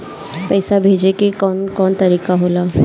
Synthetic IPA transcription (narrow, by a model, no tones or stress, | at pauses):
pɛːsabʱeːd͡ʒekekɔnkɔːnt̪ɐɾiːkaɦoːlaː